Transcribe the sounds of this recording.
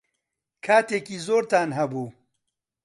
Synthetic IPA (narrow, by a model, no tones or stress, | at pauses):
kʰaːt̪eːkiːzoːɾt̪aːnɦɐbuː